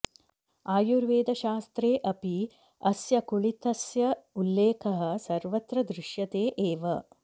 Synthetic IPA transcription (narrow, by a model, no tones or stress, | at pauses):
aːjuɾʋeːd̪ɐʃaːst̪ɾeːʔɐpi | ɐsjɐkuɭit̪ɐsjɐulːeːkʰɐɦɐ̆sɐɾʋɐt̪ɾɐd̪ɾɪʃjɐt̪eːʔeːʋɐ